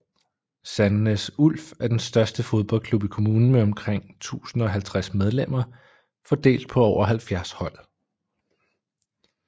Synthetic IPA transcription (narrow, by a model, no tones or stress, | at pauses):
sænːəsul̰fæɐd̥ensd̥ɶɐsd̥əfo̝ð̞ˠb̥ɒ̽l̰kʰlub̥ikʰo̝muːnn̩meɒ̽mkʰʁeŋ̰t͡sʰṵːsn̩ɒ̽ɦælt͡sʰʁasmeð̞ˠlem̰ɐ | fɒ̽d̥e̝̰ːld̥̚pʰɒ̽ɒʊ̰ɐɦælfjæɐshɒ̽l̰